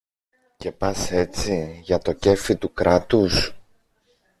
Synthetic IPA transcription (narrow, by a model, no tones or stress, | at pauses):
ce̞pɐse̞t͡siʝɐt̪o̞ce̞fit̪ukɾɐt̪us